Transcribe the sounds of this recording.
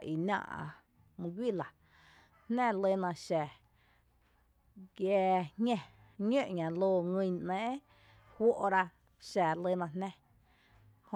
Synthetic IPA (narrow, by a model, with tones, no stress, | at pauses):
ʔi˨nã̰˧˨ʔa̰˧ | mũ˧ɡʷi˦˨la˨ | n̥nɛ̃˦˨le˦nã˧ʃɛ˨ | ɡjɛː˧ɲŋẽ˧ | ɲə̃˦˧ʔɲã˨loː˧ŋɨ̃˧nɛ̃ː˨˦ | hwʷo˦ʔɾa˧ | ʃɛ˨lə˧˦nã˧nnɛ̃˦ | ho˧